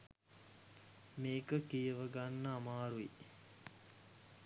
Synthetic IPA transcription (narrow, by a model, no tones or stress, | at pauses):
meːkəkijəʋəɡanːəamaːɾuḭ